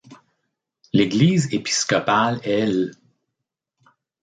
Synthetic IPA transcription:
leɡliːzepi̥skɔpalɛl

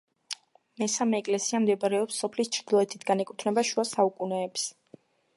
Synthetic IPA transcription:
mɛsamɛːkʼlɛsiamd̪ɛbaɾɛɔpsːɔpʰlist͡ʃʰɾd̪ilˠɔɛt̪ʰit̪ʰɡanɛkʼut̪ʰnɛbaʃuasaukʼunɛːps

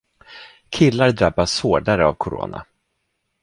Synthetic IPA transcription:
kʰɪlːaɾd̪ɾabːashoːɖaɾəavkʰʊɾo̰ːna̰

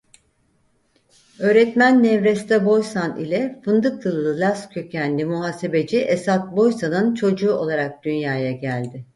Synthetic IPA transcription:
ø̞ːɾɛt̪mænːɛvɾɛst̪ɛbo̞jsanḭlʲɛfɯnd̪ɯklˠɯlˠɯlʲascʰø̞cʰænlʲimuɦaːse̞be̞d͡ʒiʔesat̪̚bo̞jsanɯnt͡ʃʰo̞d͡ʒuːo̞lˠaɾak̚d̪̥ynjaːjaɟælʲd̪ɪ

